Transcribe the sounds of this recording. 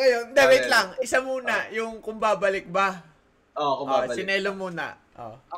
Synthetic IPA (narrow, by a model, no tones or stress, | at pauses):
ŋɐjond̪ɛbejt̪lɐŋʔɪsamuːnɐjʊŋkʊmbaːbɐlɪk̚bɐ | oʔosɪnɛːlomuːnɐ̰ | ʔo̰